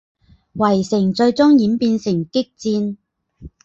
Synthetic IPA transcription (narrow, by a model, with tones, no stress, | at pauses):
wɐ˨˩jsɪ˨˩ŋt͡ʃɵ˧ɥt͡sʊ˥ŋjiː˨˥npiː˧nsɪ˨˩ŋkɪ˥k̚t͡siː˧n